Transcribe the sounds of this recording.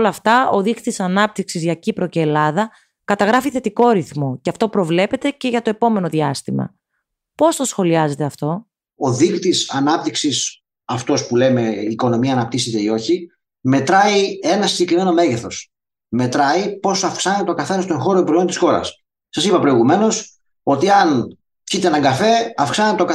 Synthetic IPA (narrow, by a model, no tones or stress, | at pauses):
lɐft̪ɐoðixt̪isɐnɐp̚t̪iksizʝɐcipɾo̞ceːlɐðɐ | kɐt̪ɐɣɾɐfiθe̞t̪iko̞ɾiθmo̞ceɐft̪o̞pɾo̞vle̞pe̞t̪e̞ce̞ʝɐt̪o̞e̞po̞me̞no̞ðiɐst̪imɐ̰ | po̞st̪o̞sxo̞liɐze̞t̪e̞ɐft̪o̞ | oðixt̪isɐnɐp̚t̪iksis | ɐft̪o̞spule̞me̞iko̞no̞miɐːnɐp̚t̪iset̪eio̞çi | me̞t̪ɾɐie̞nɐsiɲɟe̞kɾime̞no̞me̞ʝeθo̞s | me̞t̪ɾɐipo̞sɐfksɐnet̪eo̞kɐθenɐst̪o̞nxo̞ɾopɾojo̞nt̪isxo̞ɾɐ̰s | sɐsipɐpɾoiɣume̞no̞s | o̞t̪iɐn | cit̪eenɐŋɡɐfe̞ɐfksɐnt̪et̪ok